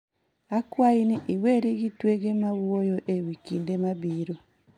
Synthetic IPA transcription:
akwainiʔiweɾiɣitweɣemaɣuojoʔewikiːndemaβiːɾo

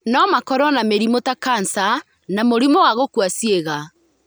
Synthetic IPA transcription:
nɔmakɔɾɔnameɾimotakansa | namoɾimowaɣokwasieɣa

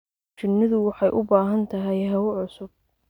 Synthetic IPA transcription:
t͡ʃɪnːɪðʊwɑħɑjʔʊbaːɦɐnt̪ʰɐɦɛjɦɐwʊʕʊsʊb̥̚

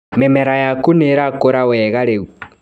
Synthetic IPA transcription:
mɛmɛɾajakuneɾakoɾawɛɣaɾeɣu

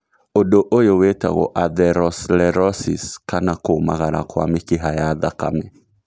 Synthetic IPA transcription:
odoʔojoweta̰ɣo̰ʔaðɛɾɔslɛɾɔsiskanakomaɣaɾa̰kwa̰mɪkɪɦajaðaka̰mɛ

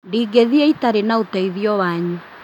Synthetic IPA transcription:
ndiɡeðiɛitaɾenaotaiðiɔwaɲu

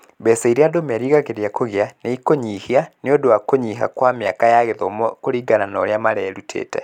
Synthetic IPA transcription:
bɛsɛiɾeadomɛɾiɣaɣeɾeakoɣeaneikoɲihianeodoakoɲiɦa̰kwameakajaɣeðɔmɔkoɾiːɡananɔɾeamaɾɛɾutʰḛːtɛ̰

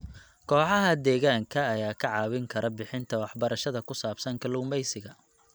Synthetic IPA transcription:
kʰɔːħɑɦɐd̪ɛːɣaːŋkʰɐːjaːkʰɐʕɑːwɪŋkʰɐɾʔɐbɪħɪnt̪ʰɐwɑħbɐɾɐʃɐðɐkʰʊsaːbsɐŋkʰɐlʊːmbɛjsɪɣɐ

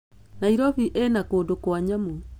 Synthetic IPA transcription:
naiɾɔβiʔenakoːndokwaɲamu

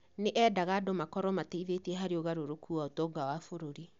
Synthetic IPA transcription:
neʔɛːdaɣaːdomakɔɾɔmateiðeteɛɦaɾeoɣaɾoɾokʰuaotɔːɡawafoɾoɾi

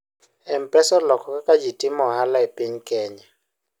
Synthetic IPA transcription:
ɛm̩pʼɛsɔlɔkʰɔkʼakʼad͡ʒitʼimɔɦalaɛpʼeɲ̩kʼɛːɲa

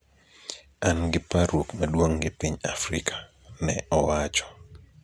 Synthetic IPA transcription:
anɡɪpaɾwokmadwoŋɡɪpiɲafɾḭkʰḁ | nɛɔwat͡ʃɔ̥

